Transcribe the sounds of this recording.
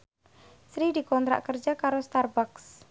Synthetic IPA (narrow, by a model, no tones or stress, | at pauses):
sɾidikɔnt̪ɾa̰ʔkərd͡ʒakaɾost̪arbaks